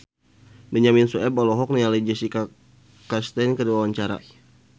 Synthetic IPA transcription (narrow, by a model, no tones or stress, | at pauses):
bəɲaminsuɛbɔlɔɦɔk̚nialəd͡ʒəsika | kast̪ɛnkədiwawaɲt͡ʃaɾa̰